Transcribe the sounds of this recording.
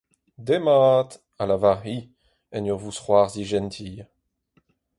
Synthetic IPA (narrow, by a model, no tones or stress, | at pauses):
d̪emaːt̪ | alavaʁi | ɛnyʁvusχwaːʁziʒɛnt̪ʰiː